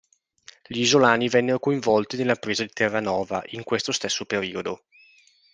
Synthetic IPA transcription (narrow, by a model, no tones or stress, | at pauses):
ʎiːzolaːnivɛnːeɾokoiɱvɔlt̪inelːapɾeːzad̪it̪erːanɔːva̰ʔiŋkwest̪ost̪esːopeɾiːod̪o